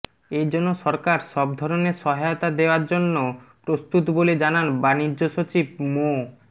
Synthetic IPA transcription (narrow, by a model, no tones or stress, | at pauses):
ejd͡ʑɔnːoʃɔɾkaɾʃɔb̚d̪ʱɔɾoneɾʃɔɦaot̪ad̪eoaɾd͡ʑonːopɾost̪ut̪boled͡ʑananbanid͡ʑːoʃot͡ɕib̚mo